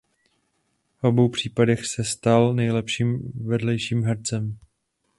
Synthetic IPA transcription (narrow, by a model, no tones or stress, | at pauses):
vʔo̞bo̞wpr̝̥iːpadɛxsɛst̪alnɛjlɛpʃiːmvɛdlɛjʃiːmɦɛɾt͡sɛm